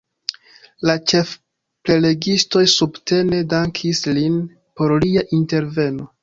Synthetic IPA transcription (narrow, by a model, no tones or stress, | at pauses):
lat͡ʃe̞f | ple̞le̞ɡisto̞jsubte̞ne̞daŋkʰislin | po̞ɾliaʔinte̞ɾve̞no̞